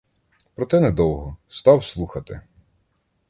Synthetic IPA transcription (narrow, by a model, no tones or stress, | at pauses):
pɾɔt̪ɛnɛd̪ɔwɦɔst̪ɑwslˠuxɐt̪ɪ̰